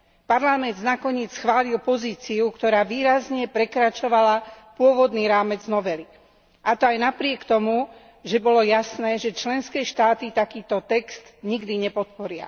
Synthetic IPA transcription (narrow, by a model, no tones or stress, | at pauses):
paɾlamɛnd̪znakɔɲɪɛt͡sxʋaːlilpɔziːt͡siukt̪ɔɾaːʋiːɾazɲɛpɾɛkɾat͡ʃɔʋalapʊɔʋɔd̪niːɾaːmɛd͡znɔʋɛli | ʔat̪ɔajnapɾɪɛkt̪ɔmu | ʒɛbɔlɔjasnɛːʒɛt͡ʃlɛnskɛːʃt̪aːt̪it̪akiːt̪ɔt̪ɛkst̪ɲiɡd̪iɲɛpɔt̪̚pɔɾɪa̰